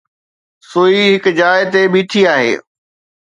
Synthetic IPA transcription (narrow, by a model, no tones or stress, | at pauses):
soːiɦɪkd͡ʑaːɪt̪ebiːʈʰiaːɦḛː